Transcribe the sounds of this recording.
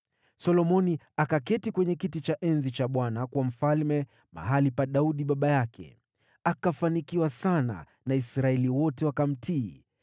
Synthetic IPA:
sɔlɔmɔni | akakɛtikwɛɲɛkitit͡ʃaʔɛnzit͡ʃaɓwanakwam̩falmɛ | ma̰ɦalipaɗauɗiɓaɓajakʰɛ̰ | akafanikiwasana̰ | naisɾaɛliwɔtɛwakam̩tʰiː

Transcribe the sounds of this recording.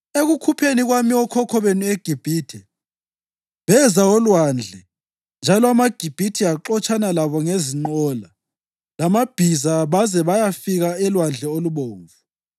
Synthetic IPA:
eɣukʰupʰeniɣwamiɔkʰɔkʰɔβenueɡ̥ʱib̥ʱitʰɛ | βɛzaɔlwand͡ɮʱɛ | nd͡ʒʱalɔamaɡ̥ʱib̥ʱitʰiaǃɔt͡ʃʰʼanalaβɔŋeziŋ͡ǃɔːla | lamab̥ʱizaβazɛβajafiɣaɛlwand͡ɮʱɛoluβoːɱvu

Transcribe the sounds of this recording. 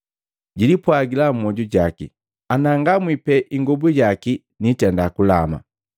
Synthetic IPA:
ɟilipwaɡilam̩mɔɟuɟaki | anaŋɡamwipɛʔiŋɡɔbuɟaki | nitɛndakulama̰

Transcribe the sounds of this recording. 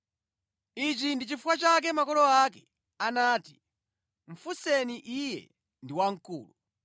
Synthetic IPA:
it͡ʃindit͡ʃifuwat͡ʃak̬ɛmakɔlɔakɛ | anaːti̥ | ɱ̩fusɛniʔijɛ̰ | ndiwaŋ̩kṵːlu

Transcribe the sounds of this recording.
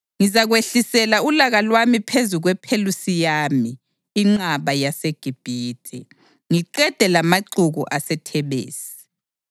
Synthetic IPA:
ŋizaɣweɬisɛlaulaɣalwamipʰezuɣwɛpʰelusijaːmiː | ŋ͡ǁaβajaseɡ̥ʱib̥ʱiːtʰʼɛ | ŋiǃɛd̥ʱɛlamaǀuɣṵʔasɛtʰɛβḛːsi̥

